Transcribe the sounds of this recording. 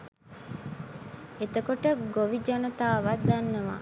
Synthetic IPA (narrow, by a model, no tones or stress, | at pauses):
et̪əkoʈəɡoʋid͡ʒɐnɐt̪aːʋad̪anːɐʋa̰